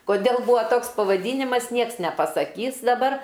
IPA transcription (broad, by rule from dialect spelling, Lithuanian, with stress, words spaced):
koːˈdʲeːlˠ ˈbuːʋɐ ˈtoːks pɐʋɐˈdʲiːnʲɪmɐs ˈnʲiɛks nʲɛpɐsɐˈkʲiːs dɐˈbɐr